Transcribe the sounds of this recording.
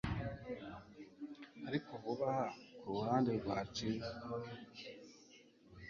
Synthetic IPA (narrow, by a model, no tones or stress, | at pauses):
aɾikʰovuβahakuɾuhaːnde̞ɡwaːt͡ʃi